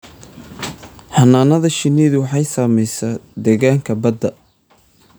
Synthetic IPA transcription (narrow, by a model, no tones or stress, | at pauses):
ħɑnaːnɐðɐʃɪniːðʊwɑħɑjsaːmɛjsaːd̪ɛɣaːŋkʰɐbɐd̪ɐ